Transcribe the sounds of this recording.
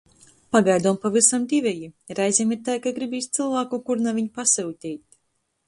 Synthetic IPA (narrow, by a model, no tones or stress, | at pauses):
paɡajd̪uɔmpavisamd̪ʲivʲɛjiɾajzʲemiɾt̪ajkaɡɾibiːst̪sɨlˠvaːkukuɾnaviɲpasɛwt̪ʲijt̪̚ʲ